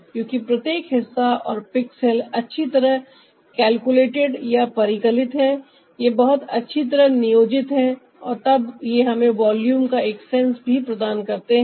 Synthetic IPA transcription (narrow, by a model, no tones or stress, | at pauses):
kjõːkipɾɐt̪jeːkɦɪsːaɔ̰ːɾpɪksəlɐtːʃʰit̪ɐɾəɦ | kɛːlkuleːʈɪɖjapɐɾɪkəlɪt̪ɦɛ̃ | jebɐɦʊt̪ɐtːʃʰit̪̬ɐɾəɦnɪjoːd͡ʒɪt̪ɦɛ̃ | ɔːɾt̪ɐbjeɦɐmẽʋaːljuːmkaeːksɛ̃nsbʱipɾɐd̪aːnkɐɾt̪eɦɛ̃